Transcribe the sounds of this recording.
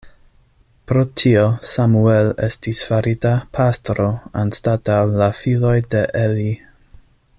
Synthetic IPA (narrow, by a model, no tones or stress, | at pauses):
pɾo̞tʰio̞samuele̞̰stisfaɾitapʰastɾo̞anstatawlafilo̞jde̞ʔeli